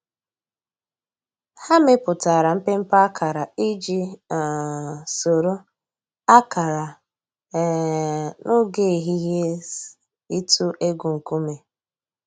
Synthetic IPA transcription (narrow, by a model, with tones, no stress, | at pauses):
ha˦me˦pʊ˨ta˨ɾa˨m̩˦pe˦m̩˦pa˦kʰa˨ɾa˨i˦d͡ʒi˦˨ | so˨ɾo˦ | a˦ka˨ɾa˨ | no˦ɡe˦˨ɦi˦ɦe˦ | i˦tu˦ʔe˦ɡu˨ŋ̩˨ku˦me˨